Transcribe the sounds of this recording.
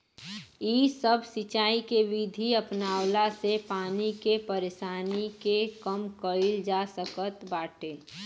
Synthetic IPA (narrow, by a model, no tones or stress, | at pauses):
iːsəbʱsɪt͡ʃaːikeʋid̪ʱiəpnaːwlasepaːnikepəɾeːʃaːnikekəmkəɪld͡ʒasəkət̪baːʈʰeː